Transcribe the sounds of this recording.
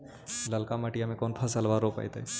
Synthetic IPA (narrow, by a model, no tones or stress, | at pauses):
ləlkaməʈijãmẽkoːnpʰəsəlʋaɾopa̰jt̪ə